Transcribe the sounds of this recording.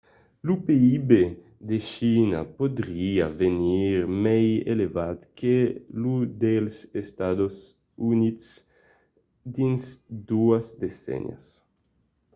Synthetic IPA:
lupeibe | d̪eʃinɐ̰pod̪ɾiɐveniɾmɛjḛlevad̪kelud̪elsest̪ad̪os | unit̪s | d̪insd̪uɐsd̪esɛ̰na̰s

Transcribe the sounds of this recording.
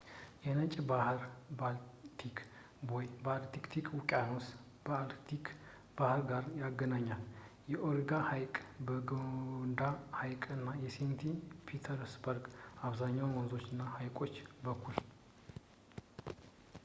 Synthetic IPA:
jɛnət͡ʃʼbahɾbalt̪ʰikʰ | wɔjbalt̪ikt̪ʰikʰwukʼanos | balt̪ʰik | b̥ahɾɡaɾjaɡənaɲːal | jɛʔoɾɡahajkʼbəɡond̪ahajkʼɨnːajɛsent̪ʰipʰit̪ʰəɾsbəɾɡaβzaɲːawmənzo̞t͡ʃːɨnːahajkʼo̞t͡ʃːbəkʰːul

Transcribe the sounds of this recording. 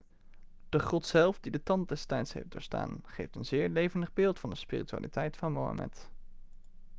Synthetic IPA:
d̥əχɔtsɛlˠfdidətɑnt̚dɛstɛjtsɦḛjfd̥ʊ̰ːɹsta̰ːnχejftənzɪːɹlejvəndəχbɪːlˠtfɑndəspiːritya̰ːlitɛjtfɑnmo̰wa̰mʔɛ̰t

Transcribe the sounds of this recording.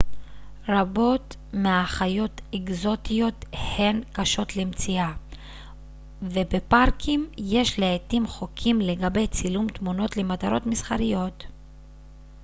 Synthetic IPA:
ɾabo̞t̪ | meaχajo̞teɡzo̞t̪ijo̞t̪he̞nkaʃo̞t̪lemt͡sia | ve̞be̞paʁkʰimje̞ʃleet̪imχo̞kʰimle̞ɡabe̞jt͡silumt̪muno̞t̪le̞mat̪aɾo̞̰tmisχaɾijo̞t̪

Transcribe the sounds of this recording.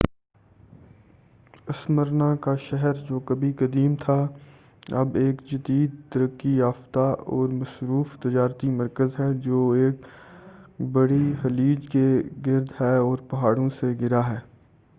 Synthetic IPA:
ɐsməɾnakaʃɛɦɛɾd͡ʒoːkɐbikɐd̪iːmt̪ʰaː | ɐ̰beːkd͡ʒəd̪iːd̪̚t̪əɾəkːijaːft̪aɔ̰ːɾmɐsɾuːft̪ɪd͡ʒaːɾt̪imɐɾkəzɦɛd͡ʒoːeːk | bɐɽiɦɐliːd͡ʒkeɡɪɾd̪ɦɛɔːɾpɐɦaːɽõseɡɪɾaɦɛː

